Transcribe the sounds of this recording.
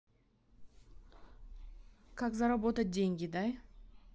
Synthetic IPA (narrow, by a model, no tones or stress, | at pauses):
kʰakzaɾabot̪ad̪ʲeŋɡʲid̪aj